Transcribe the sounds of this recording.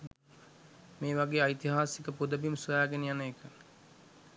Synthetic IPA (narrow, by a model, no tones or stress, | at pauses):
meːʋaɡeːajt̪iɦaːsikəpud̪əbimsuʋaːɡenijanəekə